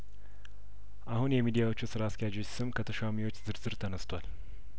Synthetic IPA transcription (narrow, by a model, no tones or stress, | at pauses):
ʔahunjɛmid̪ijawo̞t͡ʃːusɨɾaːsk̪ʰɛjad͡ʒosɨmkʰət̪ʰəʃamiwo̞t͡ʃːzɨɾzɨɾt̪ʰənəst̪ʰʷal